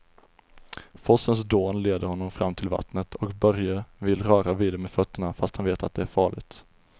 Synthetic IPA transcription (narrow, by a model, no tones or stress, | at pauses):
fɔsəns̬d̪oːnleːd̪əɾhɔnːɔmfɾamːt̪ʰɪlva̰t̪nət̪ʰɔkbœɾjəvɪlɾœːɾaviːd̪ɛmeːfœt̪ːəɳafast̪hanveːt̪at̪̚d̪ɛæɾfɑːɭɪ̰ɡt̪